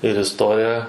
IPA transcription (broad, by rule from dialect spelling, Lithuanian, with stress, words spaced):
ɪr ɪsˈtoːrʲɪjɛ